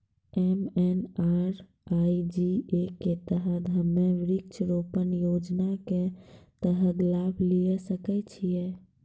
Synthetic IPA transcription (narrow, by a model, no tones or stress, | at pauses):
ɛmɛnaɾ | aid͡ʒieket̪əɦəd̪ʱəmːeʋɾɪk̚t͡ʃʰɾopənjod͡ʒnaket̪əɦəd̪labʱlijesəkɛt͡ʃʰijɛ